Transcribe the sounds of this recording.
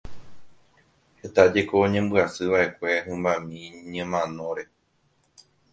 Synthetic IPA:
he̞t̪ad͡ʒe̞ko̞ɲẽ̞mbɨasɨʋaʔe̞kʷe̞ɦɨ̃mbãmĩɲɨ̃mãnõ̞ɾe̞

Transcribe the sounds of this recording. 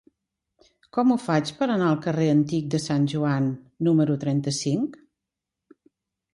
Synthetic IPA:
kɔmufat͡ʃpəɾənaəlˠkəreənt̪ik̚d̪əsanʲʒuanː | uməɾut̪ɾɛnt̪əsiŋk

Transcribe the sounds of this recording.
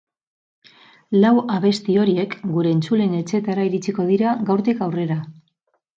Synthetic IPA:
lawaβe̞st̪io̞ɾie̞kɡuɾe̞ːnt͡sule̞ne̞t͡se̞t̪aɾaiɾit͡siko̞ð̞iɾaɡawɾt̪ikawre̞ɾa

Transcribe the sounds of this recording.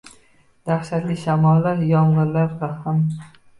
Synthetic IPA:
d̪̥aχʃat̪liʃamɒlːaɾjɒɴʁɨɾlaɾvaham

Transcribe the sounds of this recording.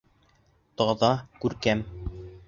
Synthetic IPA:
t̪ɑðɑkʉɾkæm

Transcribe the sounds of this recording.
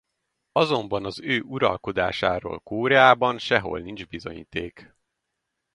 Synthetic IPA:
ɒzo̞mbɒnɒzøːʔuɾɒ̰lko̞d̪aːʃaːɾo̰ːlkoːɾɛaːbɒnʃɛɦo̞̰lnind͡ʒbizo̞̰ɲḭːt̪eːk

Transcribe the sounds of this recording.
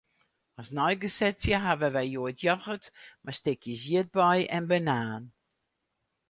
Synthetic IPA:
ɔsnɔjɡəsɛsjəɦaʋəʋɛjjoətʰjɔxətmastɪkʰjəsjiət̚bɔjɛnbənaːn

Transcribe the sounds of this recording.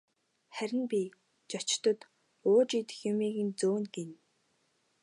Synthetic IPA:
χæɾʲɪ̆npʲi | t͡ɕɔt͡ɕ̆t̪ɞ̆t̪ | ʊːt͡ɕit̪ɘ̆xjʊmiːɣĭnt͡soːnɡen

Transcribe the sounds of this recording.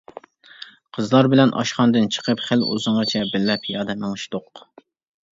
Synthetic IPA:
qʰəzlˠɑɾbɪlɛnʔɑ̰ʃχɑnd̪ɨnt͡ʃʰə̥qʰəpχɪlṵzɨŋʁɨt͡ʃʰɛbɪlːɛpʰjɑːd̪ɛmɨŋɨʃt̪oq

